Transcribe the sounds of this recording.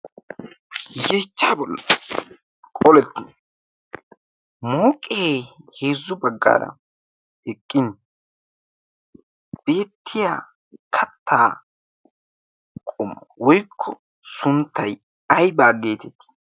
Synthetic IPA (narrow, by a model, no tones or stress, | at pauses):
jet͡ʃːaːbɔlːɐ | kʼɔlɛt̪ːɪn | moːkʼeːheːzːʊbɐɡːa̰ːɾɐ̰ | ɛkʼːɪn | b̥e̞ːt̪ʰːɪjaː | kʰɐt̪ːaː | kʼʊmːɐwɔjkʰːɔ | sʊnt̪ːɐj | ɐjbaːɡe̞ːt̪ɛt̪ːɪ̥